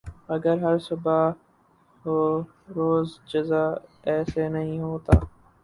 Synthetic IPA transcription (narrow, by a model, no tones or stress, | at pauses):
ɐɡəɾɦɐɾsʊba | ɦo | ɾoːzd͡ʒɐzaɛːsenɐɦĩɦoːt̪aː